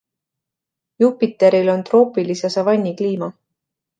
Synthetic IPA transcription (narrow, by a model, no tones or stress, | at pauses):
jupit̪ːˑe̞ɾilo̞nt̪ro̞ːpilisesɑvɑnʲːikliːmɑ